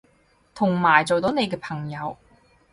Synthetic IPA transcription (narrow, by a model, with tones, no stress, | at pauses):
t̪ʰʊ˨˩ŋmaː˨˩jt͡so˨wt̪o˨˥wne˨˧jkɛː˧pʰɐ˨˩ŋjɐ˨˧w